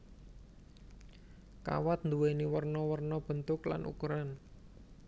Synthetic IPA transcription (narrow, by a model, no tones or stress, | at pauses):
ka̰wat̪̚nd̪uweniwərnɔwərnɔb̥ə̤nt̪ʊkla̰nʔṵkuɾan